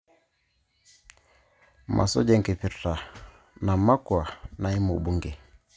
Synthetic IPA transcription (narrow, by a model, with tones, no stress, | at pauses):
mʔa̰˨sɔ̰˦d͡ʒɛ˦ŋkɛ˨pi˨ta˨ | na˨ma˦kwa˨na˨i˦mu˨ɓu˦ŋɡɛ˨